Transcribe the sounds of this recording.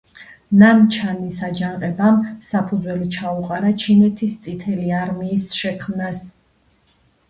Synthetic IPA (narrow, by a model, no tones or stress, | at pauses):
nant͡ʃʰanisad͡ʒaɴqʼɛbamsapʰud̪zwɛlit͡ʃʰauqʼaɾat͡ʃʰinɛt̪ʰist̪sʼit̪ʰɛliaɾmiːsʃɛkʰmnas